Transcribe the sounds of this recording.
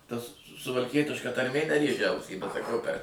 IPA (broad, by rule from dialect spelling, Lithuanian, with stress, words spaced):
ˈtɐs sʊʋɐlʲˈkʲiɛtʲɪʃkɐ tɐrʲˈmʲeː nʲɛˈrʲeːʒʲɛ ˈɐʊsʲiː bʲɛt sɐˈkɐʊ pʲɛr